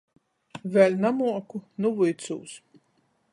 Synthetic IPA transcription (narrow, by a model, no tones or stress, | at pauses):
vʲælʲnamuɔkunuvujt̪sṵːs